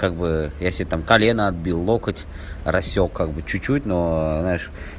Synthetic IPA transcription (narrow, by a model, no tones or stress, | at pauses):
kaɡ̚bɨjasʲt̪amkɐlʲenəɐd̪̚bʲilˠːokətʲ | rɐsʲːokʰːaɡ̚bɨt͡ɕʊt͡ɕːutʲnoznaɪʂ